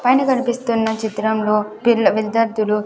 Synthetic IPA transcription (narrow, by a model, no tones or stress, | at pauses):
pɐjnikɐnipist̪unːɐt͡ʃit̪ɾɐmlo̞ːpilɐʋild̪ɐɾt̪ulu